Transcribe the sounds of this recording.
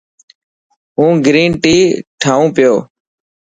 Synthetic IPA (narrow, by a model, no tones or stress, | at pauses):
ɦũːɡɾiːnʈiːʈʰaːũːpɪjoː